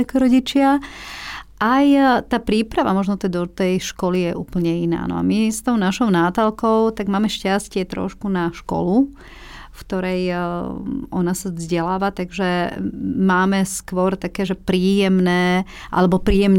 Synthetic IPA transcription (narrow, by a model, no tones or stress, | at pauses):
akɔɾɔɟit͡ʃɪa | ʔajt̪aːpɾiːpɾaʋa̰mɔʒnɔt̪ɛd̪ɔt̪ɛjʃkɔlijɛʔuːpl̩ɲɛina̰ːnɔ̰a̰mist̪ɔʊnaʃɔʊnaːt̪alkɔʊt̪aɡmaːmɛʃcascɪɛt̪ɾɔ̰ʃkunaʃkɔ̰lu | fkt̪ɔɾɛj | ɔnasazɟɛlaːʋat̪aɡʒɛ | maːmɛskʋɔɾt̪akɛːʒɛpɾiːjɛmnɛː | ʔa̰lɛbɔpɾiːjɛmɲ